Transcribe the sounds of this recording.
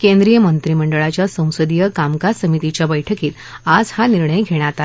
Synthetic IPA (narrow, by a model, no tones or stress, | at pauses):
kẽnd̪ɾijəmənt̪ɾiməɳɖəɭat͡ɕjasə̃w̃səd̪ijəkamkasəmit̪it͡ɕjabəjʈʰəkiːt̪ | ad͡zhaniɾɳəjɡʱeɽ̃at̪a